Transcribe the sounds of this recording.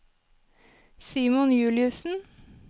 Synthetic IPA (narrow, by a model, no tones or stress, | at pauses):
siːmʊnjʉːlɪʉsn̩